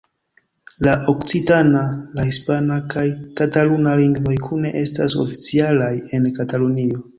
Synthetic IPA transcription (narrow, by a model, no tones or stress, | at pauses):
laʔo̞kt͡sitanalahispanakʰajkatalunaliŋɡvo̞jkʰune̞ʔe̞sta̰so̞̰fi̥t͡sialaje̞nkatalonio̞